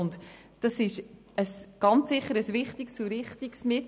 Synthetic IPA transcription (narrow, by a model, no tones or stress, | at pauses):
ʊnt | d̥ɑsɪʃ | əsɡ̥ɑnt͡sːɪχːəɾəsvɪχtiksuɾɪχtiksmɪt